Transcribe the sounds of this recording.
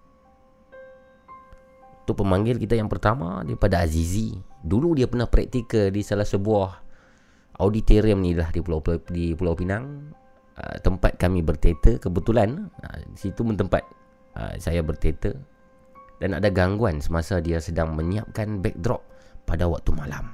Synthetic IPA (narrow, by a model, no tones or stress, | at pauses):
t̪uʔpəmaŋɡɪlkit̪ajaŋpərt̪ama̰daipadaːziziduludiapərnahpɾɛk̚t̪ikədisalahsəbuah | ʔawdit̪eɾiəmnilahdipulawdipulawpinaŋ | ə̰t̪əmpa̰t̪̚kamibərt̪et̪əkəbət̪ulanə̰isit̪umənt̪əmpa̰t̪̚ | ə̰sajabərt̪et̪ə | dana̰daɡaŋɡuansəmasadiasədaŋməɲiap̚kanbɛ̰k̚d̪ɾɔp̚padawak̚t̪umalam